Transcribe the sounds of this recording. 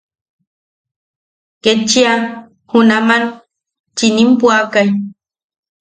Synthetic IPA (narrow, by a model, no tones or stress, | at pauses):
ket͡ʃia | hunaman | t͡ʃinimpuakaj